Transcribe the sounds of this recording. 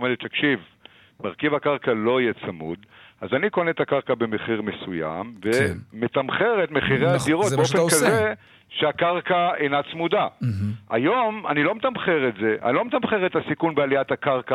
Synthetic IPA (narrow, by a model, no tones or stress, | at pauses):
omelett̪akʃiv | maʁkivakaʁkalo̞ijet͡samṵd̪azaniko̞net̪akaʁkabe̞meχiʁme̞suja̰mvemet̪amχe̞ʁetme̞χiʁeadiʁotbeofenkaze | ʃeakaʁkaejnat͡smud̪aʔa̰jo̞ma̰nilo̞met̪amχeʁetze̞ʔa̰nilo̞met̪amχeʁet̪asikunbealiatakaʁka